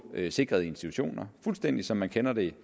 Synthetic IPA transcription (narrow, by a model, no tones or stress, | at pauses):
øse̝ɡ̥ʁɐðˠəe̝nsd̥i̥t͡sʰuɕo̝̰ːnɐfulsd̥en̰d̥isɒ̽mːænkʰenɐd̥e̝